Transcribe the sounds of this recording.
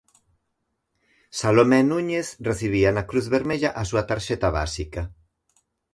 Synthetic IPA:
salomɛnuɲeθreθiβ̞ianakɾuθβeɾmeʎaʔasuat̪aɾʃɛt̪aβa̰sika

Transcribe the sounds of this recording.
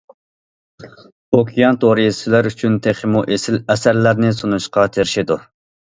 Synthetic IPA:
okʲʰijɑnt̪ʰoɾijisʰɪlæɾyt͡ʃʰynt̪ʰeχɪmuʔesɪlɛsæɾlæɾnɪsunuʃqɑt̪ʰeɾɪʃid̪u

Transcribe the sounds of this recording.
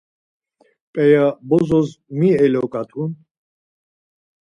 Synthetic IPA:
pʼɛjabɔzɔzmiɛlɔkʼat̪ʰun

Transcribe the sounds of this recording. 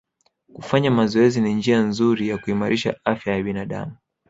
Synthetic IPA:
kufaɲamazɔɛzinind͡ʒianzuɾijakuimaɾʔiʃa̰afjajaɓinaɗa̰mu

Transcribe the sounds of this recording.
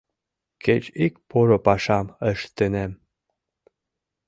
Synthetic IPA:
ket͡ɕikpoɾopɑʃɑməʃt̪enem

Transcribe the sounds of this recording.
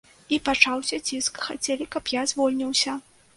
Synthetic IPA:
ipat͡ʂawsʲɐt͡sʲiskxat͡sʲɛlʲikɐpjazvɔlʲnʲiwsʲɐ

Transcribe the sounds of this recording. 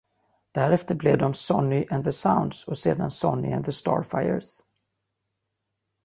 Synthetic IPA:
d̪̥æɾɛft̪əɾblɛvd̪ɔmsɔnːɪʔɛnðəsawnd̪sɔseːd̪ansɔnːɪ̰ɛ̰nðəst̪ɑ̰ːɹfajə̰ɾs

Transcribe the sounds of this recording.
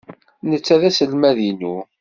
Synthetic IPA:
nət͡sːæðæsəlmæðinu

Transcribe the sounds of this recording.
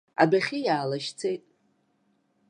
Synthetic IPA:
a̰baχʲijaːlaʃt͡sʰe̞jtʼ

